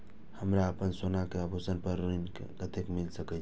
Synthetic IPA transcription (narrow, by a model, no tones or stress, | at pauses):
həmɾaəpənsonakeəbʱosənpəɾːəinkḛkət̪ekmilsəkɛt͡ʃʰ